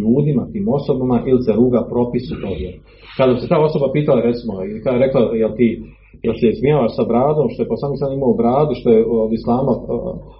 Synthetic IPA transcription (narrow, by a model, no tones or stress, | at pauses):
uːd̪imat̪iːmo̞so̞bamaʔiliseɾuːɡapɾo̞pisut̪obje | kad̪abiset̪aːo̞so̞bapiːt̪alaɾe̞t̪simoikaɾe̞klajelt̪iː | jelsiesmijaːʋaʃsabɾaːd̪o̞mʃt̪o̞jkosaːmisaːd̪mimaobɾaːd̪uʃt̪o̞jeod̪islˠaːma̰